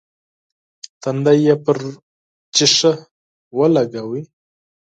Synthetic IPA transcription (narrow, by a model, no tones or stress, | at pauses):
t̪and̪ajjepəɾ | t͡ʃɪʂə | wəlaɡawi